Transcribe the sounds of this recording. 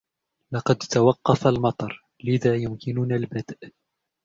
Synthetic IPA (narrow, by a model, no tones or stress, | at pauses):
lɑqɑd̪t̪awɑqːɑfalmɑt̪ˤɑɾˤ | lɪðaːjʊmkɪnʊnalbad̪ʔ